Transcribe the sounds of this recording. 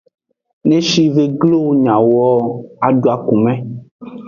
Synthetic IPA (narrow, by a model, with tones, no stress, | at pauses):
nẽ˦ʃi˦ve˦ɡlo˦ɲã˨wɔ˦a˨ɖo˨a˨ku˨mɛ̃˦